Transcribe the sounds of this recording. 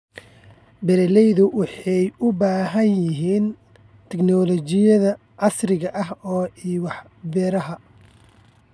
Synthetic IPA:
bɛɾɛlɛjðʊwɑħɑjʊbaːɦɐnjɪɦiːn | t̪ʰɛknɔlɔt͡ʃɪjɐðɐ | ʕɑsrɪɣɐʔɐɦɔːiːwɑħ | bɛːɾɐɦɐ

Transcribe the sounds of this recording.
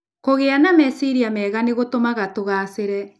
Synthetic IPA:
koɣeanamɛsiɾiamɛːɣaneɣotomaɣatoɣaseɾɛ

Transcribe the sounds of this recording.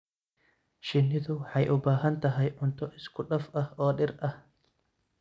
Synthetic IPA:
ʃɪnːɪðʊħɐjʔʊbaːɦɐnt̪ɐɦɐjʔʊnt̪ɔʔɪskʊᶑɐfʔɐhʔoːɗɪɾʔɐh

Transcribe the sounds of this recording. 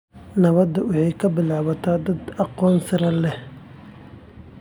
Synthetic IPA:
nɐβɐd̪ɐwɑħɑjkʰɐbɪlaːβɐt̪ʰaːd̪ɐd̪ɑqɔːnsɾɐlɛh

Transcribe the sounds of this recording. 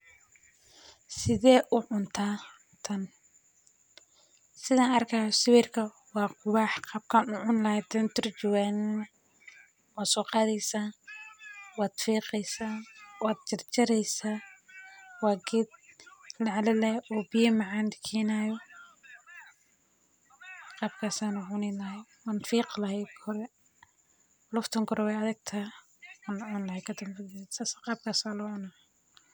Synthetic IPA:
sɪðɛːʔʊʕʊnt̪ʰaː | t̪ʰɐn | sɪðaːnɐrkʰɐjɔsɪwɛrkʰɐ | wɑːqʰʊwɑːħqɑb̚kʰanʊʕʊnlɐhɛd̪ɐnt̪ʰɔrt͡ʃɔɣaːnin | wɑːsʊqɑːðɛjsaː | wɑːd̪̥fiːqɛjsaːwɑːd̪̚t͡ʃɐrt͡ʃɐɾɛjsaː | wɑːɡɛd̪̚lɐʕlɛlɛʔɔbɪjɐmɑʕaːnd̪ɪkʰɛːnaːjɔ | qɑːb̚kʰaːsaːnʊbʊnɛlɐhɛjwanfiːqlɐhɛɡkʰɔɾɛ | lʊft̪ʰɐŋkʰɔɾɔwɛjɐðɪɡ̚t̪ʰɐ | nʕʊnlɐhɛkʰɐt̪ɐmbɪd̪saːsqɑːb̚kʰaːsaːlɔʕʊnɐ

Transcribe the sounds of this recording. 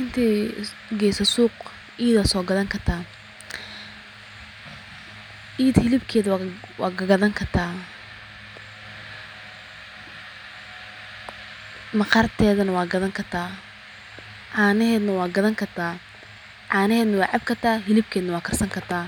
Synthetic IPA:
ɪnt̪ʰiː | ɡɛːsɐsuːq | ʔiːðaːsɔːɡɐðɐŋkʰɐrt̪ʰaː | ʔiːd̪hɪlɪbkʰɛːðwɑ̰ːɡɐɡɐðɐŋkʰɐrt̪ʰaː | mɑqɐrt̪ʰɛːðɐnɐwɑːɡɐðɐŋkʰɐrt̪ʰaː | ʕɑːnɪɦɛːd̪nɐwɑːɡɐðɐŋkʰɐrt̪ʰaː | ʕɑːnɪɦɛːd̪nɐwɑːʕɑb̚kʰɐrt̪ʰaːɦɪlɪb̚kʰɛːd̪nɐwɑːkʰɐrsɐŋkʰɐrt̪ʰaː

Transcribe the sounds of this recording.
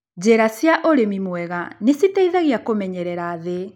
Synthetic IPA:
d͡ʑɛɾasjaʔoɾemimwɛɣanesitaiðaɣiakomɛɲɛɾɛɾaːðe

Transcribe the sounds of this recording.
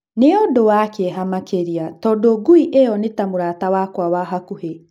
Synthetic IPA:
neodowakeɦamakeɾiatɔːdoːɡuiʔeɔnetamoɾaːtawakwawaɦakuhe

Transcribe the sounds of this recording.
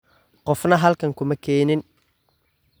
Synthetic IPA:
qɔfnɐɦɐlkʰɐŋkʰʊmɐkʰɛːnɪn

